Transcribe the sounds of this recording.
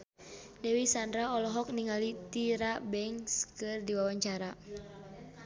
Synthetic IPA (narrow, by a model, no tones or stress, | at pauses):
dɛwisandɾaɔlɔɦɔk̚niŋalit̪iɾabɛŋskɨrdiwawaɲt͡ʃaɾa